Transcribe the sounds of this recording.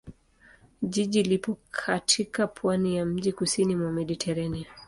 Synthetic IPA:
ʄiʄilipɔkʰatʰikapʰwanijam̩ʄikusinimwamɛɗitʰɛɾɛnia

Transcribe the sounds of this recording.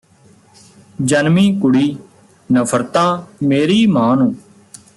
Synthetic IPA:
d͡ʒənmiːkʊɽiː | nəpʰəɾt̪ãːmeːɾiːmãːnũː

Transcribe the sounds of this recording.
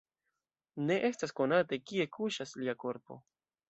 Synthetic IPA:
ne̞ʔe̞stasko̞natekie̞kʰuʃasliako̞ɾpo̞̰

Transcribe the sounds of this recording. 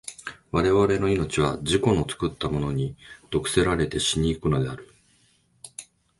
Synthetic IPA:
βaɾe̞βaɾe̞no̞ino̞t͡ɕiβaʑiko̞no̞t͡sɨ̥kɯ̟t̪ːamo̞no̞ɲ̟id̪̥o̞kɯ̟̥se̞ɾaɾe̞t̪e̞ɕiɲ̟iːkɯ̟no̞d̪e̞aɾɯ̟

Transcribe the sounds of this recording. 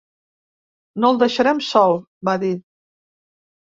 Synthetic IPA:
nolˠd̪əʃəɾɛmsɔlˠ | baði

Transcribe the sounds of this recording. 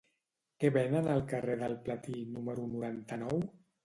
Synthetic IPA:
kɛβenənəlˠkəreðəlˠplət̪inuməɾunuɾant̪ənɔw

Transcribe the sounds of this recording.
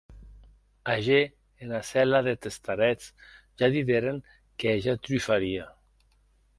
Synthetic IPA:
aʒe | enasɛlaðet̪est̪aɾɛt͡s | ʒaðiðeɾeŋ | keaʒat̪ɾyfaɾia

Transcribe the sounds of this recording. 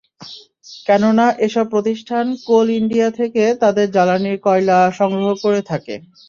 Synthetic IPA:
kɛnonaʔeʃɔb̚pːɾot̪iʃʈʰankoliɳɖiat̪ʰeket̪ad̪eɾd͡ʑalaniɾkɔjlaʃɔŋɡɾoɦokoɾet̪ʰakḛ

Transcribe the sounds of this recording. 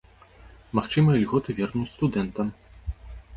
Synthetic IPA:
maxt͡ʂɨmɐɐlʲɣɔt̪ɨvʲɛrnust̪ud̪ɛnt̪ɐm

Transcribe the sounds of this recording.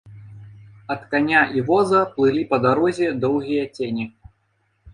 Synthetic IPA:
ɐt̪kanʲaʔivɔzɐplˠɨlʲipɐd̪aɾɔzʲɛd̪ɔwɣʲijɐt͡sʲenʲi

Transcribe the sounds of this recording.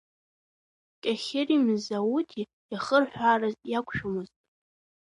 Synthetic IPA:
kʲʼaχʲɪrimzawutʰi | jaχərħᶣʷarazʼjakʷʰʼʃᶣʊmɨztʼ

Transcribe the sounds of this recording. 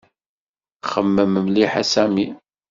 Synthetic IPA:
χəmːəməmliħasæmi

